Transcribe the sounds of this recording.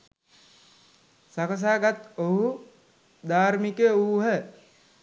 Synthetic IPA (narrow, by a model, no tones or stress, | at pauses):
sakəs̬aːɡat̪oɦu | d̪aːɾmikeuːɦə